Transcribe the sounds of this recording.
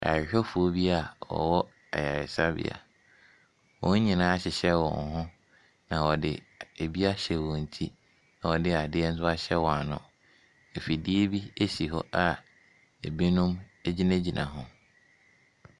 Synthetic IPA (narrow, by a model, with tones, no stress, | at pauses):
a̰˨ɪ˨hᶣɔ˦fʊ˨o˦bi˦a˨wɔ̰˨wɔ˦ | a̰˨ja˨ɪ˨sa˦bɪ̰˦a̰˨ | wɔ̃˨˦ɲĩ˨nã˨˦a˦ɕɪ˨ɕɛ˦wɔ̰̃˨n˨˦ɦʊ̃˦ | nã˨wɔ˨dɪ̰˨ | e˨bi˦a˦ɕɛ˨wɔ̃˨ɲ̩˨tʰi˦ | nã˨wɔ˨dɪ˦a˨dɪ˦ɛ˦n̩˦s̬ʊ˦a˦ɕɛ˦wɔ˨a˨nʊ̰̃˨ | e˨fi˨di˦e˦bi˦e˦si˨ɦɔ̰˦ʔa˦ | e˨be˦nʊ̃˦me˦d͡ʑi˦nẽ˦d͡ʑi˨nʔã̰˨ɦʊ̃˦